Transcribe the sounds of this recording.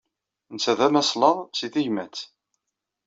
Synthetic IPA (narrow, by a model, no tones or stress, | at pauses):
nsæðæmæslɑðˤsiθiʝmæt͡sː